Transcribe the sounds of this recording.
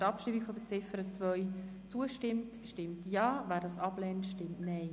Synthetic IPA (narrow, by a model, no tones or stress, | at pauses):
tɑpʃtɪmikfɔd̥̪ət͡sɪfəɾət͡sʋœjt͡suəʃtɪmtʃtɪmtjɑːvæːɾdɑsɑb̥lɛːntʃtɪmtnɛɪ